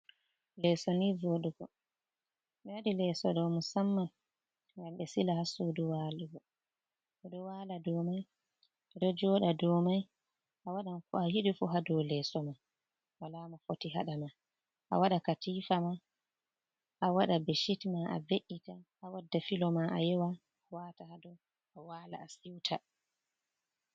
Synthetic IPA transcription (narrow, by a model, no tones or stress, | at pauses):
lɛsonivoɗuɡɔ̰ | ɓɛadilɛsɔ̰ɗɔmusamːan | ŋɡamɓɛsilahasuduwaluɡɔ | ɔɗɔwaladɔmaj | dɔd͡ʒɔɗadɔmaj | ʔawaɗankɔahiɗifuɦadɔwlɛsɔma | walamafotiɦa̰ɗama | ʔa̰waɗakatifama | ʔawaɗabeʃitmaʔa̰beʔitaʔːwadːafilɔmaʔajɛwa | watahadɔ | ʔawaːla̰ːsiwtʰa